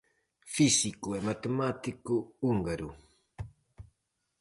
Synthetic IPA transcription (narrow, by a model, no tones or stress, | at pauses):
fisikuemat̪emat̪ikuːŋɡaɾu